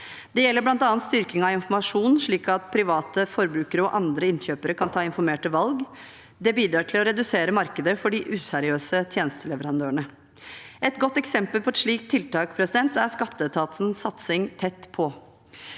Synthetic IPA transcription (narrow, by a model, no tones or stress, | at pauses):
d̪ɛjɛlːəblɑnt̪ɑːnt̪st̪ʏɾkɪŋɑʋɪnfɔɾmɑʂuːnn̩ʂɭiːkɑt̪pʰɾɪʋɑːt̪əfɔɾbɾʉːkəɾəɔʔɑnd̪ɾəɪnɕøːpəɾəkʰɑnt̪ʰɑːɪnfɔɾmeːʈəʋɑlɡ | d̪ɛbiːd̪ɾɑːʈʰɪlɔɾɛd̪ʉseːɾəmɑɾkəd̪əfɔɖɪʔʉːsɛɾɪøːsət̪ʰjeːnəst̪əlɛʋəɾɑnd̪øːəɳə | ɛt̪ɡɔt̪ːɛksɛmpəlpʰɔɛt̪ʂɭiːk̚t̪ʰːɪlt̪ɑːkpʰɾɛsɪd̪ɛnt̪æɾʂkɑt̪ːət̪ʰɑːt̪sn̩sɑt̪sɪŋt̪ʰɛt̪ːpʰɔ